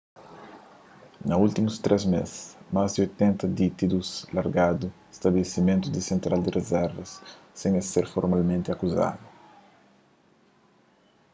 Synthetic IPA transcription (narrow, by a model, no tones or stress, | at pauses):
nɐult̪imust̪ɾʔɛzmḛsmazd̪iojt̪ẽnt̪ɐd̪it̪id̪uslaɾɡad̪uest̪ɐbelesimẽnt̪ud̪isẽnt̪ɾald̪irezɛɾvɐsːẽŋaseɾfoɾmalmẽnt̪ɪakuza̰d̪u